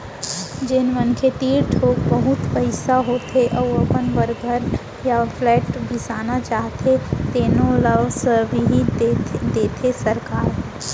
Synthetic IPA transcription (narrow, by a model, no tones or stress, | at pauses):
d͡ʒɪnʋənkʰet̪iːɾʈʰoːkbɐɦʊt̪pəɪsaɦoːt̪eʔɔʋɐpənʋəɾɡʱəɾ | jaflɛːʈbʱɪsaːnat͡ʃaːɦt̪et̪eːnõləʋsbʱiɦid̪eːt̪ʰesɐɾkaːɾ